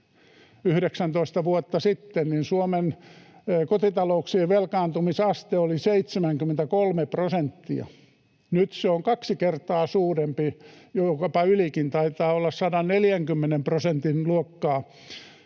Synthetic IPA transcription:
yhɾeksænt̪oist̪ɑʋuot̪ːɑsit̪ːenninsuomen | kot̪it̪ɑlouksiːʋelkɑːnt̪umisɑst̪eoliseit̪semæŋkymːˑent̪ækolmeprosent̪ːḭɑ̰ | nyt̪seoŋkɑksikert̪ɑːsuːrempijokɑpɑylikint̪ɑit̪ɑːolːɑssɑdɑnneljæŋkymːenemprosent̪inluokːɑː

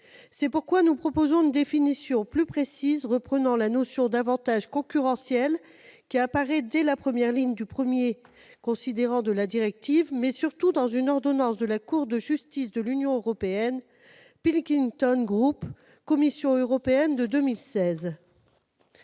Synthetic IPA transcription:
sɛpuʁkwanupχɔpozɔ̃ynd̪efinisjɔ̃plypχesizʁəpχənɑ̃lanosjɔ̃d̪avɑ̃t̪aʒkɔ̃kʲyʁɑ̃sjɛl | kʲiapaʁɛd̪ɛlapχəmjɛʁliɲd̪ypχəmjekɔ̃sid̪eʁɑ̃d̪əlad̪iʁɛk̚t̪ivmɛsyʁt̪ud̪ɑ̃zynɔʁd̪ɔnɑ̃sd̪əlakuʁd̪əʒyst̪is̬d̪əlynjɔ̃øʁɔpeɛn | pilkʲiŋt̪ɔnɡʁup | kɔmisjɔ̃øʁɔpeɛnd̪əd̪ømilsɛz

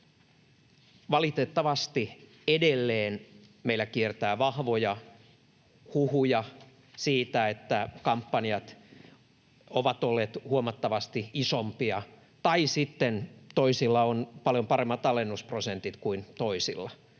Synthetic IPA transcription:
ʋɑlit̪et̪ːɑʋɑst̪i | edelːeːn | meilːˑækiert̪æːʋɑhʋojɑ | huhujɑ | siːt̪æet̪ːækɑmpːɑnjɑt̪ | oʋɑt̪olːeːt̪huomɑt̪ːɑʋɑst̪iisompiɑ | t̪ɑisit̪ːent̪oisilːɑonpɑljompɑremːɑt̪ɑlenːusprosent̪it̪kuint̪oisḭlːɑ

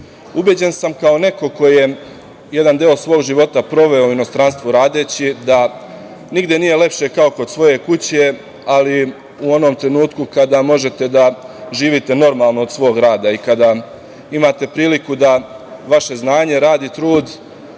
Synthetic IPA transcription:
ubjed͡ʑe̞nsamkaone̞ko̞ko̞je̞ | je̞d̪and̪eosʋo̞ːɡʒiʋo̞t̪apɾo̞ʋe̞ouino̞st̪ɾanst̪ʋuɾaːd̪e̞ːt͡ɕid̪a | niɡd̪je̞nije̞le̞pʃe̞kao̞ko̞d̪̥sʋo̞je̞kut͡ɕe̞ | ali | uo̞no̞mt̪ɾe̞nuːt̪kukad̪amo̞ʒe̞t̪e̞d̪aʒiːʋit̪e̞no̞ɾmalˠno̞ːd̪sʋo̞ːɡɾaːd̪aikad̪a | imaːt̪e̞pɾiːlikud̪a | ʋaʃe̞znaːɲe̞ɾaːd̪iːt̪ɾuːd̪

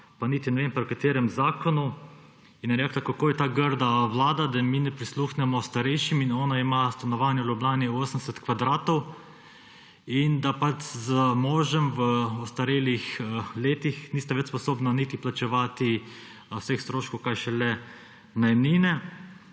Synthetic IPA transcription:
panit̪inɛʋempɾwkat̪eːɾɛmzaːkɔnu | injɛɾɛklakakoːjɛt̪aɡəɾd̪aʋlaːd̪ad̪aminɛpɾisluːxnɛmɔst̪aɾɛjʃiminɔːnaimast̪anɔʋaːnjɛwlʲublʲaːnioːsənd̪ɛsɛt̪kʋad̪ɾaːt̪ɔw | ind̪apat͡ʃzəmɔːʒɛmʋəɔst̪aɾeːlixleːt̪ixniːst̪aʋɛt͡ʃspɔsoːbnanit̪iplat͡ʃɛʋaːt̪i | sexst̪ɾoːʃkowkajʃɛlɛ | najmniːnɛ

